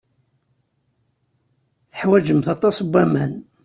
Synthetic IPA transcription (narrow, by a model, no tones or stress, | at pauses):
θəħwæd͡ʒəmθɑt̪ˤːɑsbːæmæn